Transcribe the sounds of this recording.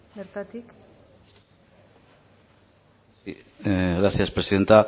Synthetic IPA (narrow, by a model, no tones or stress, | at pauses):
beɾt̪at̪ik | ɣɾaθjaspɾesiðent̪a